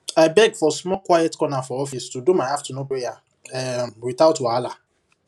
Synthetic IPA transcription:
ajbɛɡfɔsmɔkwajɛtkɔnafɔɔfistudumajhaftunopɾeja | ɛmwiθaʊtwala

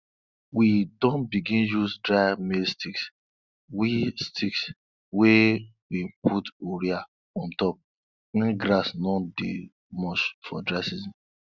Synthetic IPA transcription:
widɔ̃nbiɡĩnjusdɹajmestiks | wistʰiks | wewipʰutoɾia | ɔ̃ntɔp̚ | wɛ̃nɡɾasnɔdḛ | mɔt͡ʃfɔ̰dɾasizĩ

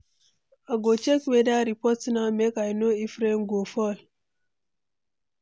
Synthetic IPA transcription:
aɡot͡ʃekwedaɾipɔtnamekajnoifɾeŋ̩ɡofɔl

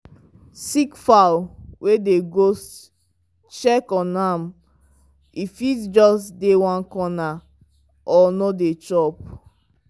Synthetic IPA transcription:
sikfawwʔedeɡos | t͡ʃɛkɔ̃nam | ifitd͡ʒɔsdewãnkɔna | ʔɔnɔdet͡ʃɔp̚

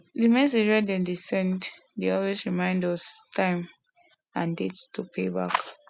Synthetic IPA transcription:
dimɛs̬ed͡ʒwɛdɛ̃disɛ̃nddeɔlwesɹimãɪ̃ndɔstʰãɪ̃m | ãndetstʰupʰeba̰k

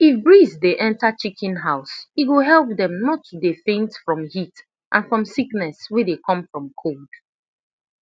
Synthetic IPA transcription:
ifbɹizdeʔɛ̃ntat͡ʃikʰĩnɦaʊsitwoɦɛlˠp̚ðɛ̃mnɔtːudefẽntfɹɔ̃mhit | ʔã̰nfɹɔ̃msiknɛswedekʰɔ̃mfɹɔ̃mkʰold̥

